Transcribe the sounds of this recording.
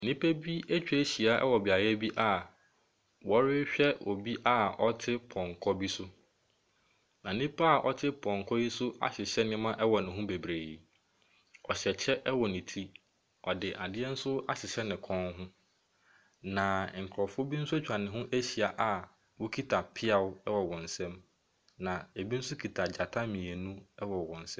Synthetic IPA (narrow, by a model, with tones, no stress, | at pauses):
nĩ˦pʰe˦bi˦e˦t͡ɕᶣɛ˦e˦ɕi˨a˦ʔɛ̰˦wɔ˨bɪ˨a˨ɾɛ˦bi˦ʔa˦ | wɔ˦ɾɪ˦ɕᶣɛ˦ɔ˨bi˦ʔa˦ɔ˦tʰɪ˦pʰɔ̃˨ŋkʰɔ˦bi˦sʊ˦ | nã˨nĩ˦pʰa˦a˦˨ʔɔ̰˦tʰɪ˦pʰɔ̃˨ŋ˨kʰɔ˦i˦sʊ˦a̰˨ɕɪ˨ɕɛ˦nɪ̃˦mã˦ʔɛ˦wɔ˨nʊ̃˨ɦʊ̃˦be˨bɾeː˨ | ɔ˨ɕɛ˨t͡ɕʰɛ˦ʔɛ˦wɔ˨nɪ̃˨tʰi˦ | ɔ˨dɪ˨ʔa˨dɪ˦ɛ˦n̩˦sʊ˦a˦ɕɪ˨ɕɛ˦nɪ̃˨kʰɔ̃˦nɦʊ̃˦ | nã˨ŋ̩˨kʰɾɔ˨fʊ˦ɔ˦bi˦n̩˦sʊ˦æ˦t͡ɕᶣʰɾa˨nɪ̃˨ɦʊ̃˦ʔe˦ɕi˨a˨ʔa˨ | wʊ˦kʰi˦tʰa˨pʰɪ˦a˨wʊ˦ɛ˦wɔ˨wɔ̃˨n̩˨sɛ̃˦m | nã˨e˨bi˦n̩˦sʊ˦kʰi˨tʰa˨d͡ʑa˨tʰa˦mɪ̃˨e˨nũ˦ɛ˦wɔ˨wɔ̃˨n̩˨sɛ̃˦